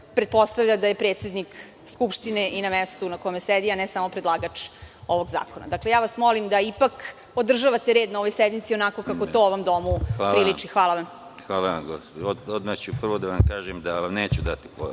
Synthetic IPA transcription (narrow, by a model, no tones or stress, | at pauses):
pɾepo̞st̪avʎʲad̪ajepɾet̪sed̪nik | skupʃt̪ineʔinamest̪unakojemesed̪ianɛsamopɾed̪lˠaːɡat͡ʃo̞ʋo̞ɡza̰ːkona̰d̪aklejaːʋasmo̞limd̪aipak | od̪r̩ʒaʋat̪eɾed̪nao̞ʋo̞jsɛd̪mit̪sio̞nako̞kakott̪o̞ːoʋo̞md̪o̞muapɾilit͡ʃixʋaːlˠaʋam | xʋaːlaʋa̰mɡospoood̪mat͡ɕupr̩ʋod̪aʋamkaːʒemd̪aʋamneːt͡ɕud̪at̪i̥po